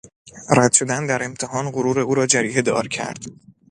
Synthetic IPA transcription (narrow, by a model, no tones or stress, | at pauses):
ræd̪̥ʃo̞d̪ænd̪æɾemt̪ʰehɒːnɢoɾuːɾe̞uːɾɒːd͡ʒæɾiːɦed̪ɒ̰ːɾcʰæ̰ɾd̪̥